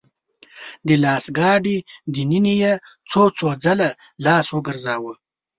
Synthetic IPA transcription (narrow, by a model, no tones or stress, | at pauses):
d̪ilɑːsɡɑːɖid̪ininije | t͡sʰot͡sod͡zala | lɑːswoɡəɾzɑːwə